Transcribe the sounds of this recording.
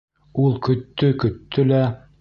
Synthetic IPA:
ulˠkɵ̆t̪ːɵkɵ̆t̪ːɵlæ

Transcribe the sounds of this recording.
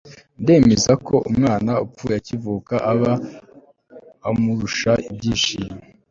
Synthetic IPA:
nde̞ːmezako̞ʔumŋaːnaupp͡fujacivuːkaʔaβa | muɾuʃaib̚ɟiːʃijme

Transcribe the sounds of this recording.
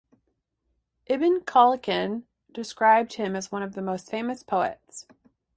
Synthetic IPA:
ʔɪbɨ̃nkʰɑlˠəkɨ̃n | d̥ɨskɹaɪb̚d̚hɨ̃mɨzwʌ̃ñʌvðɨmoʊstfẽɪ̃mɨspʰoʊɨ̰ts

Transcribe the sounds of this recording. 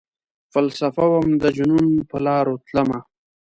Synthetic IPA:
falsafawamd̪əd͡ʒununpəlɑːɾot̪ləma

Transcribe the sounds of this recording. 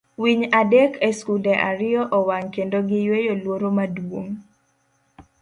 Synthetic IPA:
wiɲadɛkeskulɛʔaɾɪɔʔɔwaŋkendoɡɪjwejolwoɾomadwoŋ

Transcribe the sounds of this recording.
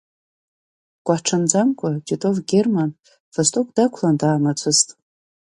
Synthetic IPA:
kʷʼaħʈ͡ʂʰand͡zamkʷʰʼad͡ʒʼitʼovɡʲerman | v̥astʼokʼd̥akʷʰlandaːmat͡sʷʰɨztʼ

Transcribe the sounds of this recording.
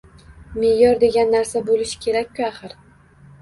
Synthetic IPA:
mejɒɾd̪e̞ɡʲanːaɾsabolɪʃɪ̥kʲʰe̞ɾakʲːʊaχɨɾ

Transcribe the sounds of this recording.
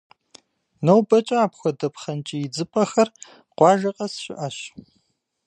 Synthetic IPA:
nɐwbɐt͡ʃʼɐaːpxʷɔdɐpχɐnt͡ʃʼijɪd͡zɨpʼɐxɐr | qʷɑːʒɐqʼɐsɕɪʔɐɕ

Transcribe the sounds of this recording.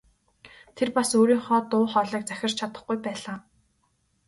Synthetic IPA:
t̪ʰerpasoːɾiːŋχɔːt̪ʊːχɔːɮiːk̚t͡sæxʲɪ̆r̥t͡ɕt͡ɕʰat̪ə̆χɡujpæːɮaː

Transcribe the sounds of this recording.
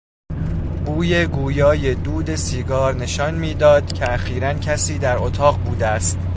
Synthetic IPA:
b̥uːje̞ɡuːjɒːje̞d̪uːd̪e̞siːɡɒːɾne̞ʃɒnmiːd̪ɒːd̪̥cʰeæxiːɾæncʰæsiːd̪æɾot̪ʰɒːɣbuːd̪eæst̪

